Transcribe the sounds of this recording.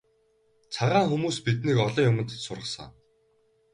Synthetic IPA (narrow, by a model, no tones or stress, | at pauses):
t͡sʰaʁaːŋxumuːspit̪niːkɔɮɞːjʊmə̆nt̪ə̥̆t͡ɕsʊrʁə̆sə̰̆ŋ